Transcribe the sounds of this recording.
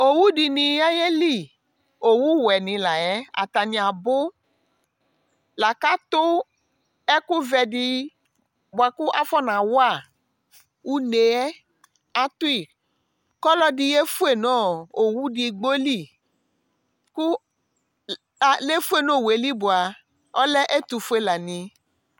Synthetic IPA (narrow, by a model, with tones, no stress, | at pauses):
o˨wu˦di˨nĩ˨ja˦je˦li˦˨ | o˨wu˦wɛ˨nĩ˨la˨ɛ˦a̰˨t̪a˨nĩ˨a˨bʊ˦ | la˨ka˦t̪o˦ | ɛ˦ku˦vɛ˨di˦ | bo˨a˨ku˦ʔa˦fɔ˦nã˨wo˦a˦˨ | wu˦ne˨ɛ˦ | a˦t̪u˦i˨ | kɔ˦lɔ˦ɖi˨je˦fu˦e˨nɔ̃˦o˨wu˦ɖi˨ɡ͡bo˦li˦ | ku˦˨ | le˦fu˦e˦˨nõ˦˨we˨li˦bo˨a˨ | ɔ˦lɛ˦ʔe˦t̪u˨fu˦e˦la˨nĩ˨